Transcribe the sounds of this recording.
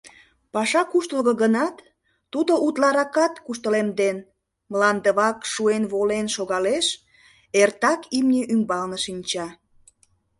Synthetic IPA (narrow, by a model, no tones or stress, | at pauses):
pɑʃɑkuʃt̪əlɣə̆ɣənɑt̪ː | ud̪oʔut̪lɑɾɑkɑt̪kuʃt̪əlemd̪en | mlɑnd̪əβɑkʃuenβolenʃoɣɑleʃ | ert̪ɑkimnʲəʔymbɑlnəʃinʲt͡ɕɑ